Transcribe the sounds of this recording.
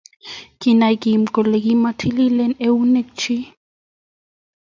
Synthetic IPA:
ki˨na˨jki˨m̩˨kɔ˨le˨ki˦ma˦tʰi˦li˦lɛ˦ne˦u˦ne˦k̚t͡ʃʰi˦

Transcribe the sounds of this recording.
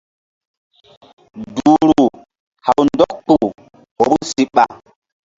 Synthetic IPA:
du˨ɾu˨ | ha˨wndɔ˦k̚tu˨ | ho˨bu˦si˦ɓa˨

